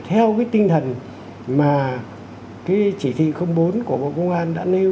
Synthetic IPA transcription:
t̪ʰɛ˧wkaː˨˦jt̪ï˧ŋ̟t̪ʰə˨˩n | maː˨˩ | kaː˨˦jt͡ɕi˧˩t̪ʰḭ˧˨xə˧wŋ͡mɓo˨˦nku˧˩əɓo̰˧˨kə˧wŋ͡mʔaː˧nɗa̰ː˧˥ne˧

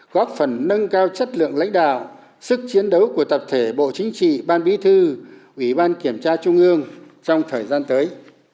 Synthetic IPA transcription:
ɣɔ˦˥p̚fə˧˩nːə˧nkaː˧wt͡ɕə˦˥t̚lɨ̰˧˨əŋla̰˧˥jŋ̟ɗa̰ː˧˨w | sɨ˦˥k̚t͡ɕi˨˦ənɗə˨˦wku˧˩ət̪ə˨˩p̚t̪ʰe˧˩ɓo̰˧˨t͡ɕï˨˦ŋ̟t͡ɕḭ˧˨ɓaː˧nɓi˨˦t̪ʰɨ˧ʔi˧˩ɓaː˧nki˧˩əmt͡ɕaː˧t͡ɕʊ˧ŋ͡mʔɨ˧əŋ | t͡ɕɔ˧wŋ͡mt̪ʰəː˨˩jzaː˧nt̪əː˨˦j

